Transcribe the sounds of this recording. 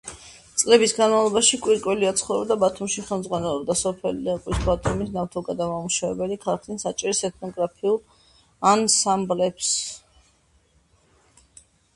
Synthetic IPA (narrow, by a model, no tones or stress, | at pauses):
t̪sʼlɛbisɡanmavlˠɔbaʃikʼwiɾkʼwɛliat̪sʰχɔvɾɛbd̪abat̪ʰumʃiχɛlˠmd̪zʁwanɛlˠɔbd̪asɔpʰɛlid̪ɛqʼwisbat̪ʰumisnaft̪ʰɔɡad̪amamuʃavɛbɛlikʰalˠak̪ʰinsat͡ʃʼiɾisɛt̪̚ʰnɔɡɾapʰiulˠ | ansamblɛps